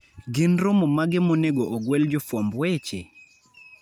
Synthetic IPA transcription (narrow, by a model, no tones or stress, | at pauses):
ɡɪnɾomɔmaɡɪmoneɡoʔɔɡwɛld͡ʒɔfɔmbwɛt͡ʃḛ